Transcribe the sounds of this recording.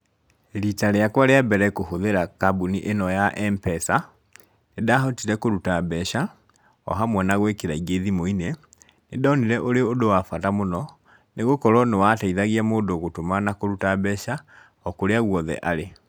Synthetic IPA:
ɾitaɾeakwaɾeabɛɾɛkohoðeɾakabuniʔenɔjaʔɛmpɛsa | nedaɦɔtiɾɛkoɾutabɛʃa | ɔ̰ɦamwɛnaɣwekeɾaiɡeðimoine | nedaɔniɾɛʔoɾeodowafatamonɔ | neɣokɔɾɔnewataiðaɣiamoːdoɣotomanakoɾutabɛʃa | ɔkoɾeaɣwɔðɛ̰ʔaɾe

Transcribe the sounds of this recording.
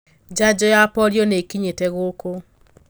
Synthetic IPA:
d͡ʒad͡ʒɔjapɔɾjɔnekiɲetɛɣoko

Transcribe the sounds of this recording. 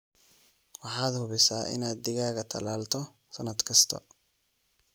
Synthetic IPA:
wɑħɑːd̪hʊβɪsaːʔɪ̰naːd̪d̪ɪɣaːɣɐt̪ʰɐ̰laːlt̪ʰɔ | sɐnɐd̪kʰɐst̪ʰɐ̰

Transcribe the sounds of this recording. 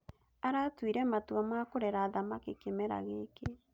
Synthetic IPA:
aɾatwiɾɛmatwamakoɾɛɾaðamakekemɛɾa̰ɣeke

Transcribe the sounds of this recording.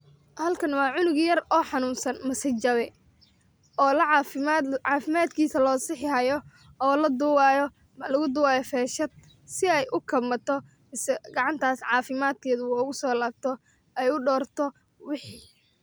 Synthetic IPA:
hɐlkʰɐnwɑːʕʊnʊɣjɐrɔːħɑnuːnsɐnmɐsɐt͡ʃɐβɛ | ɔːlɐʕʕɑːfɪmaːd̪kʰiːsɐlɔːsɪħɪhɐjɔ | ɔːlɐd̪ʊwaːjɔ | mlɐɣʊd̪ʊwaːjɔfɛːʃɐd̪̚ | sɪɛjʔʊkʰɐmɐt̪ʰɔ | mɪsɛɡɑʕɑnt̪ʰaːsʕɑːfɪmaːd̪̚kʰɛːðʊʊɣʊsɔːlaːb̚t̪ʰɔ | ɛjʊɖɔːrt̪ʰɔ | wɪħiː

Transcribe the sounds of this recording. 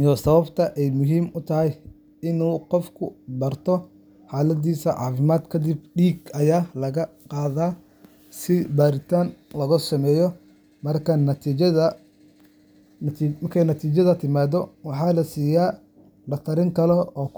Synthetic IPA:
jɔːsɐβɐbt̪ʰɐʔɛjmʊɦiːmʊt̪ʰɐɦɛj | ɪnuːqɔfkʰʊbɐrt̪ʰɔ | ħɑːlɐd̪iːsɐʕɑ̰ːfɪmaːd̪kʰɐd̪ɪb̚ɖiːɡɐjaːlɐɣɐqɑːðaː | sɪbaːɾɪt̪ʰaːnlɐɣʊsɐmɛːjɔ | mɐrkʰɐnɐt̪ʰi | mɐrkʰɛjnɐt̪ʰiːt͡ʃɐðɐt̪ʰɪmaːðɔwɑħɑːlɐsiːjaː | lɐt̪ʰɐɾɪŋkʰɐlɔɔː

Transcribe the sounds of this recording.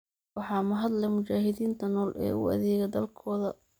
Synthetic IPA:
wɑħɑːmɐɦɐd̪lɛjmʊt͡ʃaːɦɪðiːnt̪ʰɐnɔːlʔɛ̰ːʊ̰ɐ̰ðɛːɣɛd̪ɐlkʰɔːðɐ

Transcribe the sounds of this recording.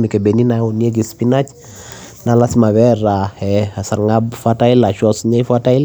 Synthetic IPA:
mikɛbɛninaunieɡispinat͡ʃ | nalasimaβɛɾahɛasaɾŋabfatailaʃɔsɲaifatail

